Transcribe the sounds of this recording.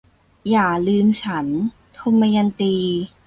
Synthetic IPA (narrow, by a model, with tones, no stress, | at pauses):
jaː˨˩lɯː˧mt͡ɕʰa˦˥n | t̪ʰo˧mːa˧ja˧nt̪iː˧